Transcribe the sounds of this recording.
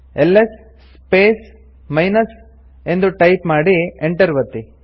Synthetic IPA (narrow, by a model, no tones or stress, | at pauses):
elːes | sːpeːs | mɐjnɐs | e̞nd̪uʈɐjpmaːɽieɳʈɐɾʋɐt̪ːi